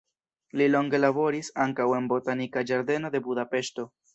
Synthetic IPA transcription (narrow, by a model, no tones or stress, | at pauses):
lilo̞ŋɡe̞labo̞ɾisaŋkawe̞nbo̞tanikad͡ʒaɾde̞no̞de̞budape̞ʃto̞